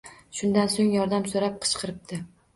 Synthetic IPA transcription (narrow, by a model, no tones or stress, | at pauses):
ʃʊnd̪ansoŋjɒɾd̪amsoɾap̚qʰɨ̥ʃqʰɨɾɪp̚d̪ɪ